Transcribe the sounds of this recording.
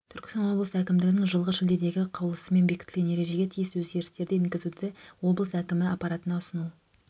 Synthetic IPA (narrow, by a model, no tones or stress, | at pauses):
t̪ʰʏɾkʲɪst̪ɑnwo̞blˠəsækʲɪmd̪ɪɡɪnɪŋʒəlˠʁəʃɪld̪e̞d̪e̞ɡʲɪqʰɑwlˠəsəme̞nbekʲɪt̪ɪlɡʲenje̞ɾe̞ʒe̞ɡʲet̪ʰijɪswɵzɡʲe̞ɾɪst̪e̞ɾd̪eɪŋkʲɪzud̪ɪwo̞blˠəsækʲɪmɪɑpːɑɾat̪ənɑʊsənu